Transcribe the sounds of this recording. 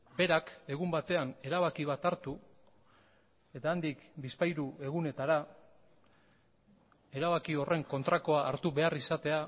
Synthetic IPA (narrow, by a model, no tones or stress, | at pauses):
be̞ɾake̞ɣ̞umbat̪e̞ane̞ɾaβ̞akiβ̞at̪aɾt̪u | e̞t̪aːnd̪ikbispajɾue̞ɣune̞t̪aɾa | e̞ɾaβakio̞re̞ŋko̞nt̪ɾako̞aːɾt̪uβe̞arisat̪e̞a